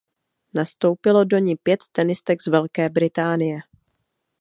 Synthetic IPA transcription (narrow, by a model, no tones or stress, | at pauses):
nast̪o̞wpɪlo̞do̞ɲipjɛt̪t̪ɛnɪst̪ɛɡz̥vɛlkɛːbɾɪt̪aːnɪjɛ